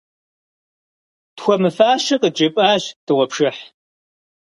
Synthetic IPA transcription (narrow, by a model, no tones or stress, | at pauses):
txʷɔmɨfaːʃɐqəd͡ʒʼɪpʼaːʑd̥ɨʁʷɔpʂɨħ